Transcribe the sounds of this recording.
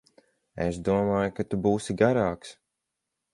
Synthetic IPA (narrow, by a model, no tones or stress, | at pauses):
ḛsd̪uɔmaːjukat̪ubuːsiɡaɾaːks